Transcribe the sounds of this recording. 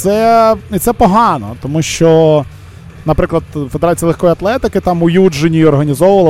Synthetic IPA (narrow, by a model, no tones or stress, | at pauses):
sɛit̪sɛpɔɦɑnɔt̪ɔmuʃt͡ʃɔ | nɐpɾɪklˠɐd̪fed̪eɾɑt͡sʲijlˠexkɔjiɐt̪lˠɛt̪ɪkɪt̪ɑmʊjud͡ʒɪnʲiɔrɦɐnʲizɔʋʊʋɐlˠ